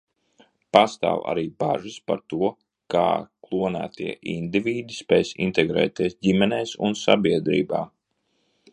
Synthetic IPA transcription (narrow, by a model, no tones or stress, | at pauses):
past̪a̰ːwa̰ɾiːbaʒispaɾt̪uɔ | ka̰ːklˠuɔnæ̰ːt̪ʰiɛʔind̪iviːd̪ispɛjsḭnt̪ɛɡɾɛ̰ːt̪iɛsɟimɛnɛːsṵnsa̰biɛd̪ɾḭːbaː